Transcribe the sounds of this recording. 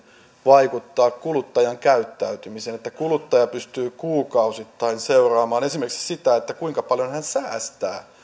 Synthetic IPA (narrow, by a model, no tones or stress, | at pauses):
ʋɑikut̪ːɑːkkulut̪ːɑjɑŋkæyt̪ːæyt̪ymiseːnet̪ːækulut̪ːɑjɑpyst̪yːkuːkɑusit̪ːɑinseurɑːmɑːnesimerksi̥sit̪æet̪ːækuiŋkɑpɑljonhænsæːst̪æ̰ː